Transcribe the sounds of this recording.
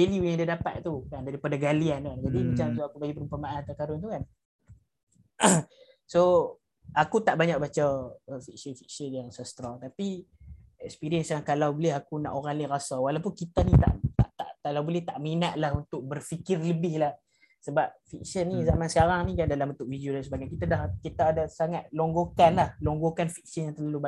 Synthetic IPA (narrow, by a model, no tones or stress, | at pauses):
eliujãŋdiadapat̪̚t̪ukandaɾipadaɡaliankand͡ʒadimat͡ʃamt̪uakubaɡipəɾumpamaant̪əkaɾʊnt̪ukan | so | akut̪aʔbaɲak̚bat͡ʃaəfiksənfik̚sənjaŋsəst̪ɾɔŋt̪api | ɛkspiɾiənsankalawbolɛɦakuna̰ʔoɾaŋliɾasawalawpʊnkit̪anit̪a̰ʔt̪aʔt̪a̰ʔkalawbolɛht̪aʔminaʔ̪lahunt̪ʊk̚bərfikɪrləbɪhlah | səbap̚fik̚sənːizamãnsə̥kaɾaŋnikandalambənt̪ʊk̚fidiudansəbaɡajkit̪adahkit̪aːdasaŋat̪̚lɔŋɡokanlahlɔŋɡokanfik̚sənjaŋt̪ərlaluba